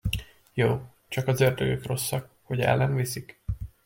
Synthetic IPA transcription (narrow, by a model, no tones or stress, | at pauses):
joː | t͡ʃɒkɒzørd̪øɡøkro̞sːɒk | ho̞ɟɛ̰lːɛɱvisik